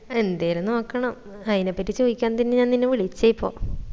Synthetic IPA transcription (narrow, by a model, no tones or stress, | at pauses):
e̞nd̪ejɾunːuɐkːɐɳɐm | ɐðine̞pːɐtːit͡ɕo̞ːðikʲːaːnːɐt̪ɐnːeɲaːnninːeʋiɭit͡ɕːejpːo̰ː